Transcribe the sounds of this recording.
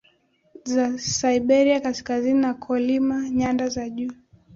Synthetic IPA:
zasaiɓɛɾiakaskazininakʰɔlimaɲandazaʄuː

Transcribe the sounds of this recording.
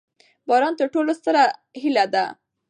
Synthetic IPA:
bɑɾɑnt̪əɾʈolost̪əɾa | ɦilad̪a

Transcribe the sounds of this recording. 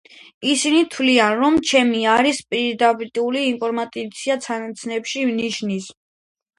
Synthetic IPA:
isinit̪ʰwlianɾɔmt͡ʃʰɛmiaɾispʼiɾd̪ap̪ʼuliːmpʼʰɔɾmat̪ʼit̪sʰiat̪sʰanat̪sʰnɛpʃivniʃnis

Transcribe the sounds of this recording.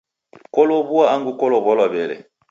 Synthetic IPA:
kɔlɔbuaaŋɡukɔlɔbɔlɔbɛlɛ̰

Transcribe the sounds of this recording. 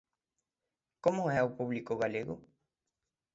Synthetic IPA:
komoɛawpuβlikoɣaleɣo̰

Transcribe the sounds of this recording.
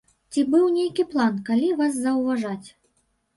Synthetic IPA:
t͡sʲibɨwnʲejkʲiplˠankalʲivaszɐwvaʐat͡sʲ

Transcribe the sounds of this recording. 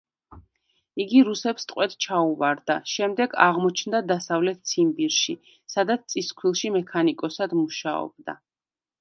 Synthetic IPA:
iɡiɾusɛpst̪ʼqʼwɛt̪t͡ʃʰauvaɾd̪aʃɛmd̪ɛɡa̰ʁmɔt͡ʃʰnd̪ad̪asavlɛt̪̚t̪sʰimbiɾʃi | sad̪at̪st̪sʼiskʰwilˠʃimɛkʰanikʼɔsad̪muʃa̰ɔ̰b̥̚d̪a̰

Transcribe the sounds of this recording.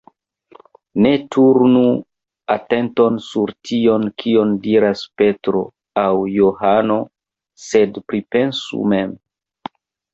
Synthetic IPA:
ne̞tuɾnu | ate̞nto̞nsuɾtʰio̞nkʰio̞ndiɾaspe̞tɾo̞̰ | awjoɦano̞ | se̞dpɾipe̞nsṵme̞m

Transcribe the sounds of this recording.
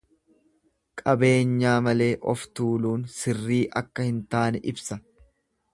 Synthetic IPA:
kʼɐbe̞ːɲːaːmɐle̞ːʔɔft̪uːluːnsɪrːiːʔɐkːɐhɪnt̪aːnɛʔɪbsɐ

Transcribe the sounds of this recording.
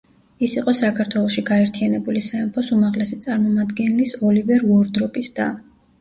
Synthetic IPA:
isiqʼɔsakʰaɾt̪ʰwɛlˠɔʃiɡaɛɾt̪ʰijanɛbulisaɛmpʰɔsumaʁlɛsit̪sʼaɾmɔmad̪ɡɛnɛlisɔlivɛɾvɔɾd̪ɾɔpʼisd̪a

